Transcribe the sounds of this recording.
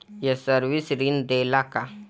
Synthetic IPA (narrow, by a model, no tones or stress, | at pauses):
jesəɾʋisɾind̪elaka